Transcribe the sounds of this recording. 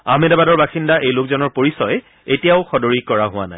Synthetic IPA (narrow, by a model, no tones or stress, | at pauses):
amedabadɔɹbaxindaʔejlokzɔnɔɹpoɹisɔj | etijaʊxɔdoɹikɔɹaɦʊwa̰naj